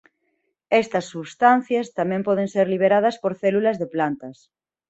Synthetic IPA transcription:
est̪ɐsːuβst̪an̟θjast̪amẽmpɔðenseɾliβ̞eɾað̞ɐspoɾθelulazðeplant̪ɐs

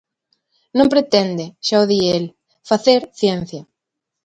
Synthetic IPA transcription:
nõmpɾet̪end̪eʃaoðiel | faθeɾθjɛn̟θja

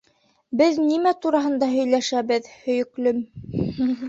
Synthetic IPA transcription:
bɘðnimæt̪uɾɑɦɤ̆nd̪ɑɦɵ̆jlæʃæβɘðhɵ̆jɵ̆klɵm

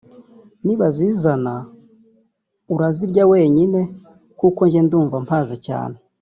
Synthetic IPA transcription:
niβaziːzana | uɾaziɾɟawe̞ːɲine̞ | kuko̞ɲɟenduːɱvampʰaːzaca̰ːne

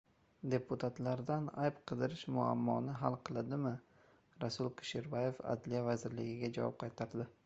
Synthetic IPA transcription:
d̪e̞pʰut̪ʰat̪laɾd̪ana̰jpqʰɨd̪ɪɾɪʃmʊa̰mːɒ̰nɪɦalˠqʰɨlˠɪd̪ɪmɪ | ɾasʊlˠkʰɪ̥ʃɪɾbaje̞fa̰d̪lijavazɪɾlɪɡʲɪɡʲad͡ʒa̰vɒ̰p̚qʰɑjt̪ʰaɾd̪ɪ

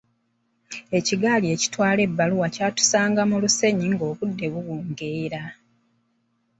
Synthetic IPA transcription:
e̞ciɡaːlie̞ci̥twaːle̞bːaluwacaːtu̥saːŋɡamuluse̞ɲiŋɡo̞ːβudːe̞βuɣuːŋɡeːɾa

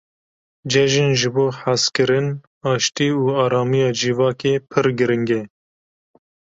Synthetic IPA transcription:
d͡ʒɛʒɪnʒɨboːħaskɨɾɨn | ɑːʃt̪iːuːɑːɾɑːmijɑːd͡ʒivɑːkeːpʰɨɾɡɨɾɨŋɡɛ

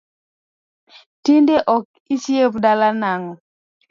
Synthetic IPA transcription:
tindeʔɔk̚ | isjepdalanaŋɔ

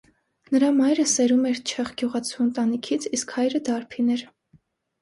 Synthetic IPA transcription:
nəɾɑmɑjɾəsɛɾumɛɾt͡ʃʰɛχɡjuʁɑt͡sʰuənt̪ɑnikʰit͡sʰiskhɑjɾəd̪ɑɾpʰinɛɾ

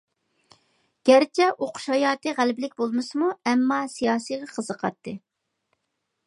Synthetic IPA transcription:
ɡ̥ʲæɾt͡ʃʰɛʔoqʰʊ̥ʃɑjɑːt̪ɨʁælbɪlɪkʲbolˠmɨsɨmuɛmːɑsijɑːsijʁɑqʰəzəqʰɑ̰t̪ːɨ

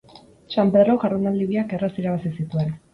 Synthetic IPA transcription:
t͡ʃampeðɾoɣaɾðunald̪iβiake̞rasiɾaβasisit̪ue̞n

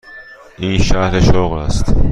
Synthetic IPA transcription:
ʔiːnʃæhɾeʃoɣlæst̪

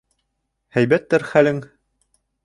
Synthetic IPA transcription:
hæjbæt̪ːæɾχælɘŋ

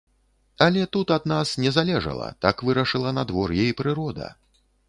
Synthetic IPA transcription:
ɐlʲɛt̪ut̪ɐd̪nasnʲɛzalʲɛʐɐ̰lˠɐ̰t̪akvɨɾɐʂɨlˠɐnad̪vɔrjɛjpɾɨɾɔd̪ɐ̰

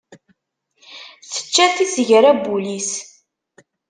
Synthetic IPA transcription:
θə̥t͡ʃːæθizəʝɾæbulis

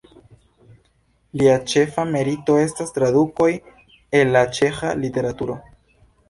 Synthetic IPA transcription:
liat͡ʃe̞fame̞ɾito̞e̞stastɾaduko̞j | e̞lːat͡ʃe̞xalite̞ɾatuɾo̞

